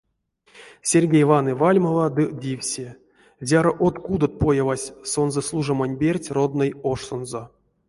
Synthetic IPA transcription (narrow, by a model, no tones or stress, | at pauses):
sʲerʲɡʲejvanɨvalʲmovad̪ɨdʲifʲsʲe | zʲaɾoʔot̪kud̪ot̪̚pojavasʲsonzəslˠuʐamanʲbʲerʲtʲrod̪nɨjoʂsonzo